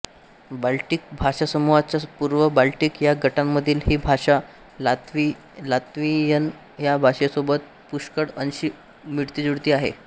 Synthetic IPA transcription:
balʈik̚bʱaʂasəmuʋat͡ɕjapuɾʋəbalʈikjaɡʱəʈamːəd̪ʱiːlɦiːbʱaɕa | lat̪ʋi | lat̪ʋijən | jabʱaɕesobət̪̚ | puʂkəɽənɕiː | miɽt̪iːd͡zuɽt̪iːaɦḛ

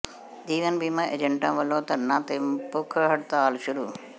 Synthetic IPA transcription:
d̪iːʋɐnbiːmãʔḛd͡ʒəɳʈã̰ːʋɐlõːt̪ɐnãt̪empʊkʰɦɐɽt̪aːlʃʊɾuː

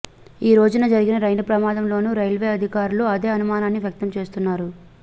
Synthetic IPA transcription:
iːɾo̞ːd͡ʒunɐd͡ʒɐɾiɡinɐɾɐjnɐpɾɐmaːd̪ɐmlo̞ːnuːɾɐjlʋe̞ːɐd̪ʱikaːɾuluɐd̪e̞ːɐnumaːnaːnːiʋjɐk̚t̪ɐmt͡ʃe̞ːst̪unːaːɾu

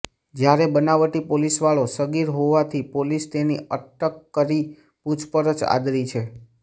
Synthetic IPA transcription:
d͡ʒjaɾebənaʋəʈipolisʋaɭosəɡiɾɦoʋat̪ʰipolist̪eniʔəʈəkːəɾi | put͡ʃʰpəɾət͡ʃa̰d̪ɾit͡ʃʰe

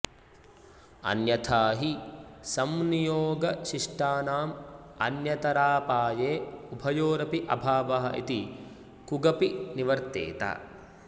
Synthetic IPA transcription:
ɐ̰njɐt̪ʰaːɦisɐmnijoːɡɐʃiʂʈaːnaːmɐnjɐt̪ɐɾaːpaːjeːubʱɐjoːɾɐpiʔɐbʱaːʋɐɦɐʔḭt̪i | kuɡɐpiniʋɐɾt̪ḛːt̪a̰ː

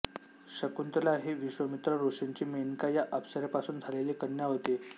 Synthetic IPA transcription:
ɕəkunt̪laɦeʋiɕʋəmit̪ɾəɾuʂiɲt͡ɕiːmenkajaʔəfsəɾapasuːnd͡zʱaleliːkənjaɦot̪e

